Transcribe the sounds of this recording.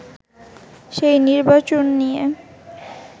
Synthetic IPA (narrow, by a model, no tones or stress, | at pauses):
ʃejniɾbat͡ɕonːije